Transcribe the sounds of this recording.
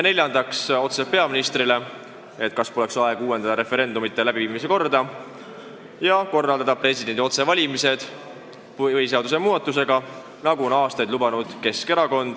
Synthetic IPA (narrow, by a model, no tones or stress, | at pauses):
ne̞lʲjɑnd̪̥ɑkso̞t̪sel̚pe̞ɑminist̪rile̞ | e̞t̪̚ːˑkɑspo̞le̞ksɑe̞ɡ̥uːe̞nd̪ɑd̪ɑɾe̞fe̞ɾe̞nd̪umit̪ːelæbiviːmis̬e̞ko̞rd̪̥ɑ | jɑko̞rːɑld̪ɑd̪ɑpre̞sʲid̪e̞nd̪ʲio̞t̪se̞vɑlʲimise̞d̪̥ | phiseɑd̪us̬e̞muːɑt̪ːˑuse̞ɡɑ | nɑɡuo̞nɑːst̪ɑjd̪lubɑnud̪̥ke̞ske̞ɾɑko̞nd̪̥